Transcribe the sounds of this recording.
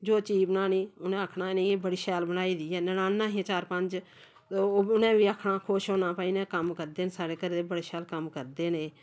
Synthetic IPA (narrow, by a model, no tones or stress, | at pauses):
d͡ʒoːt͡ʃiːbənaːniːʊnẽːəkʰnaːnẽːeːbəɽiːʃɛːlbəñaːiːd̪iːɛːnənãːnːãːɦĩt͡ʃaːɾpəɲd͡ʒː | ʊnẽːʋiːakʰnaːkʰoʃoːnãːpaːiːnɛ̃ːkəmkəɾd̪eːnsaːɽeːkəɾd̪eːbəɽeːʃɛːlkəmkəɾd̪eːneː